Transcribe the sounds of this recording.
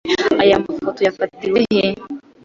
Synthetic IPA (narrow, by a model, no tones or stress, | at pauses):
ajamafotɔjafatiwɛɦɛ